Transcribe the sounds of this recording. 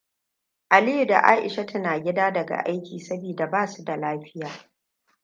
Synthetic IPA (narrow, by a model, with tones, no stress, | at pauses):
ʔa˨li˦ju˨da̰˨ʔa̰ː˦ʔɪ̰˨ʃa˦tʊ˦naː˨ɡʲɪ˦daː˦dɐ˨ɡa̰˨ʔa˦jkʲiː˨sɐ˦biː˨da˨baː˦˨su˦da˨laː˦ɸɪ˦jaː˨